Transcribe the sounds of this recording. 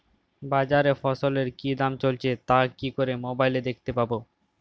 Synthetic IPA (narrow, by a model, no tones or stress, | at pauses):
bad͡ʑaɾefɔsoleɾkid̪amt͡ɕolt͡ɕʰet̪akikoɾemobajled̪ekʰt̪epabo